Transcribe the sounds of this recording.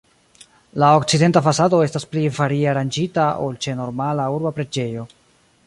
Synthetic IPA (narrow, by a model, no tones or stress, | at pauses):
laokt͡side̞ntafasado̞e̞stasplivaɾiaɾand͡ʒitao̞̰lt͡ʃe̞no̞ɾmalauɾbapɾe̞d͡ʒe̞jo̞